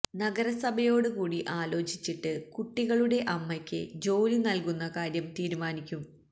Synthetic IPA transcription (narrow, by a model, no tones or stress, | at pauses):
nɐɡɐɾɐsɐbʱɐjo̞ːɽɨkuːɽiʔaːlo̞ːt͡ɕit͡ɕːiʈːɨkuʈːiɣɐɭuɽe̞ʔɐmːɐkʲːɨ̰d͡ʑo̞ːlinɐlkunːɐkaːɾjɐmt̪iːɾumaːnikʲːum